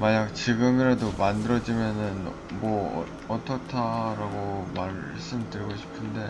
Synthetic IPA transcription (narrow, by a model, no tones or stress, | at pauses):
maɲak̚t͡ɕiɡɯmiɾadomandɯɾʌd͡ʑimjʌnɯn | mʌ̰ | ʌtʰʌtʰaɾaɡoma | s͈ɯmdɯɾiɡoɕʰi̥pʰɯnde̞